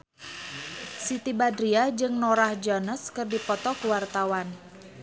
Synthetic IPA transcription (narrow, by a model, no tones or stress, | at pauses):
sit̪ibadɾiad͡ʒɨŋnoɾahd͡ʒɔnəskɨrdipɔt̪ɔkuwart̪awan